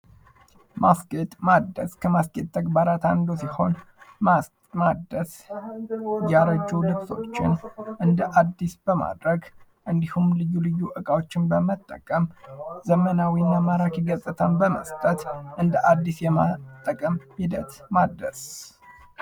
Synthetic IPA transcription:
mʔaskʼet̪ʼmad̪ːəskʰəmaskʼet̪̚ʼʰːəɡbaɾat̪a̰nd̪osiho̞n | a | mad̪əs | jaɾəd͡ʒːulɨbso̞t͡ʃːɪ̰nʔɨnd̪əʔad̪ːisbəma̰d̪ɾəɡ | ʔɨnd̪ihumlɨjːulɨjːuʔɨkʼawo̞t͡ʃːɪnbəmət̪ʼːə̰kʼəmzəmənawinːamaɾakiɡəsʼɨt̪ʰəmbəmə̰st̪ʼət̪ʔɨnd̪əʔad̪ːisjɛmat̪ʼːəkʼəmhid̪ət̪mad̪əs

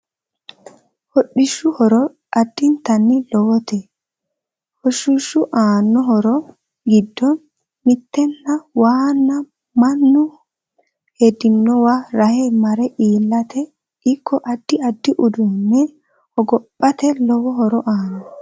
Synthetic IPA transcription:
hɔɗːɪʃʊhɔɾɔ | ʔɐd̪ːɪnt̪ɐnːɪlɔwɔt̪e | hɔʃʊʃːʊʔaːnːɔɦɔɾɔ | ɡɪd̪ːɔ | mɪt̪ːɛnːɐwaːnːɐ | mɐnːʊ | hed̪ɪnːɔwaɾɐhɛmɐɾɛʔiːlːɐt̪ʰɛ | ɪkʰːɔʔɐd̪ːɪɐd̪ːɪʔʊd̪ʊnːɛ | hɔɡɔpʼːɐt̪ɛlɔwɔɦɔɾɔʔaːnɔ

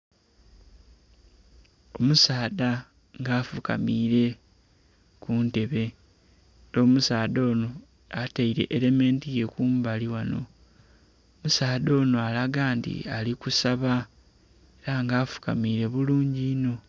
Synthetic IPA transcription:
o̞musaːda | ŋɡaːfuka̰miːɾe̞ | kuːnte̞βe̞ | do̞ːmusaːdo̞ːno̞ | ataiɾe̞̰ʔeɾe̞me̞ːntije̞kuːmbaliwano̞̰ | omusaːdo̞ːno̞alaɡaːntḭalikusaβa | eɾaŋɡaːfu̥ka̰miːɾe̞βuluːɲɟino̞

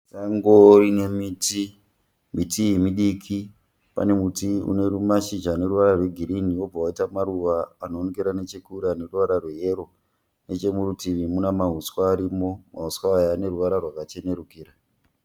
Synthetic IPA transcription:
saŋɡoɾine̞miːti | mitijemiɗikʰi | pa̰ne̞mutiṵne̞ɾumaʃid͡ʒaːne̞ɾuʋaɾarwe̞ɡʱiɾiniwo̞b͡vawaitamaɾuʋaːnoːnekeɾanet͡ʃekuɾiane̞ruʋaɾarweɦeɾo̞ | ne̞t͡ʃe̞muɾutiʋimunamaɦuswaːɾimo̞maɦuswaajaːne̞ruʋaɾarwakat͡ʃe̞ne̞ɾukiːɾa

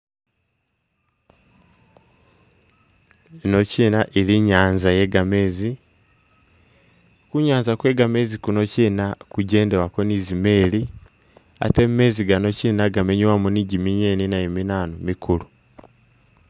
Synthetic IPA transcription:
nociːnaʔiliɲaːnzajeɡame̞ːzi | kuɲaːnzakweːɡamezikunociːnakuɟeːndewakwoniːzimeːli | a̰temmeziɡano̞ciːnaɡameɲuwamuniɟimiɲeninajeminaːnomikʰulu

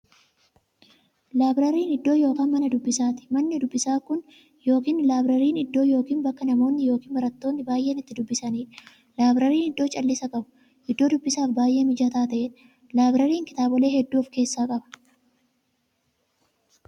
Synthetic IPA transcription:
laːbɾɐɾiːnɪd̪ːo̞ːjo̞ːkaːnmɐnɐd̪ʊbːɪsaːt̪ɪ̥mɐnːɪd̪ʊbːɪsaːkʊn | jo̞ːkiːnlaːbɾɐɾiːnɪd̪ːo̞ːjo̞ːkiːnbɐkːɐnɐmo̞ːnːɪjo̞ːkiːnbɐɾɐt̪ːo̞ːnːɪbaːjʔeːnɪt̪ːɪd̪ʊbːɪsɐniːᶑɐ̥ | laːbɾɐɾiːnɪd̪ːo̞ːt͡ʃʼɐlːɪsɐkʼɐbʊ̥ | ʔɪd̪ːo̞ːd̪ʊbːɪsaːfbaːjʔeːnɪd͡ʒɐt̪aːt̪ɐʔɛᶑɐ̥ | laːbɾɐɾiːŋkɪ̥t̪aːbɔle̞ːhɛd̪ːuːfke̞ːsːaːkʼɐbɐ̥

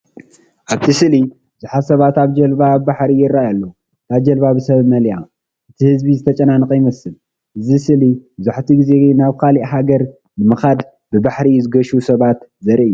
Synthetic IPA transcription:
ʔaβt̪ʰisɨli | b̥ɨzuħasɐβat̪aβd͡ʒɐlbabɨbaħɾijɪrːajalːo | t̪aβd͡ʒɐlbabɨsɐβmɐlja | ʔɨt̪ʰihɨzbizɨt̪ʰɐt͡ʃʼɐnanɨqʼjɪmɐsɨl | ʔɨzisɨlibɨzuħt̪ʰiɡize̞naβkʰaliʔɦaɡɐɾ | nɨmɨxad̪ | bɨbaħɾizɨɡɐʃusɐβat̪zɐɾʔɨjːu

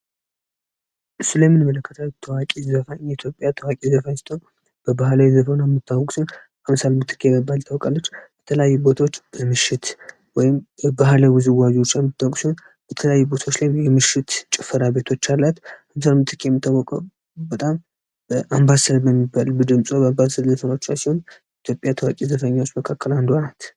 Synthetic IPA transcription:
ʔɨsːulajmɨnmələkːət̪ʰawt̪ʰəwakʼizəfait̪ʰjo̞pʼjat̪ʰəwakʼizəfajst̪ʰʼon | b̥əbahlawizəfnamːɨt̪ʰːawɔkʼsin | ʔamsalmɨt̪ʰɨ̥kʰːejmːibːalt̪ʰawɔkʼalːət͡ʃːbɛt̪ʰələjajːubo̞t̪ʰot͡ʃːbəmɨʃɪt̪ | wɔjɪmbəbaɦlawɨzɨwad͡ʒwot͡ʃːjamːɨt̪ʰːawɔkʼsion | b̥ət̪ʰələjajːubo̞t̪ʰaot͡ʃːlajjɛmɨʃɪt̪t͡ʃʼɪfəɾabe̞t̪ʰo̞t͡ʃːalːat̪ams̬almɨt̪ʰɨ̥kʰːejɛmːɨt̪ʰːawɔkʼəw | bət̪ʼam | bəʔambasəlbəmːibalbɨd̪ɨmsʼobəambasəlzəfənot͡ʃːasiho̞njit̪ʰjo̞pʼjat̪ʰəwakʼizəfəɲːawot͡ʃːməkʰakʰːəland̪anat̪

